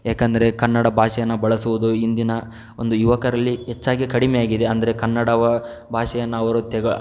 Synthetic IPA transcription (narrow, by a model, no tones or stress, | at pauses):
jaːkɐnd̪ɐɾe̞kɐnːɐɽɐbʱaːʂɛjɐnːɐbɐɭɐsuʋud̪uind̪inɐ | ond̪ujuʋɐkɐɾɐlːiɦet͡ʃːaːɡikɐɽimɛjaːɡid̪eɐnd̪ɐɾekɐnːɐɽɐʋɐ | bʱaːʂɛjɐnːɐːʋɐɾut̪ɛɡɐɭ